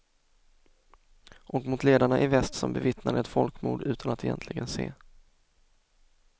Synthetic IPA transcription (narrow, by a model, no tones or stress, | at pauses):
ʔɔkmʊt̪leːd̪aɳaʔɪvɛst̪sɔmbɛvɪt̪nad̪əɛt̪fɔlkmuːɖ̪ʉ̟ːt̪ʰanat̪ʰɛjɛ̰nt̪lɪɡənsḛː